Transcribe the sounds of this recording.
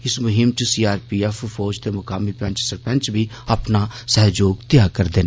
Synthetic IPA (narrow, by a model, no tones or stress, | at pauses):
ɪsmʊɦɪmt͡ʃəsiːaːɾpiːɛfʰfʰɔːd͡ʒt̪eːmʊkaːmiːpɛ̃ɲt͡ʃsəɾpɛ̃nt͡ʃbʱiː | apnaːsɛɦd͡ʒoːɡt̪ɪjaːkəɾd̪eːnː